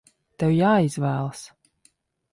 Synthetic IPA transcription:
t̪ɛwjaːiz̥væːlˠs

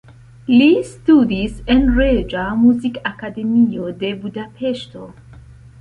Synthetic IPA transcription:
listudisenɾed͡ʒamuzikakade̞miode̞budapʰeʃto

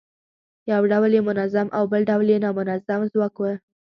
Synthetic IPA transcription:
jawɖawljemʊnazamʔawbəlɖawljenɑmʊnazamzwɑkwə

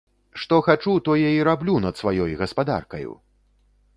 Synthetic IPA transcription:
ʂt̪ɔxat͡ʂut̪ɔjɛiɾablʲunɐt̪svajɔjɣɐspad̪a̰rkɐjṵ

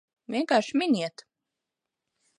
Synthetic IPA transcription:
vʲiɛŋkaːɾʃminʲiɛt̪

